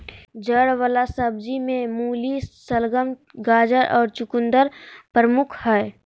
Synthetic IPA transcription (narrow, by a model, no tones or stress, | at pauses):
d͡ʒəɽwəlasəbd͡ʒimẽmuːlisəlɡəmɡaːd͡ʒəɾʔɔːɾt͡ʃʊkʊnd̪əɾpɾəmʊkʰhɛː